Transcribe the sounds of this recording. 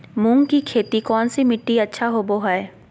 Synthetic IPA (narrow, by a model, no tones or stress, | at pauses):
mũːŋɡkikʰeːt̪ikɔːnsimɪʈːiɐtːʃʰaɦoːboɦae